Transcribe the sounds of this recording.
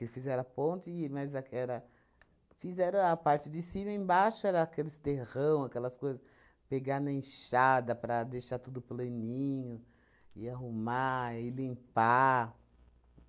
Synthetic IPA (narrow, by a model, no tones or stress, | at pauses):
kɪfizɛɾɐpõnt͡ʃɪmɐzakɛɾɐ | fizɛɾɐ̃apaɾt͡ʃɪd͡ʒ̪ɪsĩmɐẽbaʃʊɛɾɐːkelɪst̪eʁɐ̃w̃akɛlɐskojzɐs | peɡanɐẽʃad̪ɐpɾɐd̪ejʃat̪ud̪ʊplɐ̃nĩɲʊ | ɪaɦumaɪlĩpa